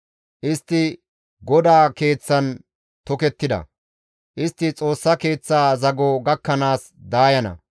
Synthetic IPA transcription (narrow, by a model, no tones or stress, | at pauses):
ʔɪst̪ːɪ | ɡɔd̪aːke̞ːt͡sːɐn | t̪ɔkɛt̪ːɪd̪ɐ̰ | ʔɪst̪ːɪt͡sʼo̞ːsːɐke̞ːt͡sːaːzɐɡɔɡɐkːɐnaːs | d̪aːjɐnɐ̰